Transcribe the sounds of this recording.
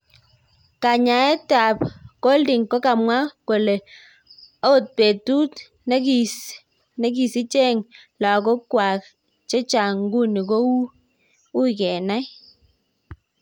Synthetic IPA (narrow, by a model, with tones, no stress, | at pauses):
ka˨ɲa˨ɛ˦ta˨pko˦ldi˨ŋkɔ˦ka˨mwa˦ko˨le˨ | a˦o˦˨t̚pe˨tu˦t | ne˦ki˨ | ne˦ki˨si˦t͡ʃe˦˨ŋla˨ko˦kwa˨k̚ | t͡ʃe˦t͡ʃa˨ŋɡu˦ni˨ko˦wu˦ | u˦˨kɛ˨na˦j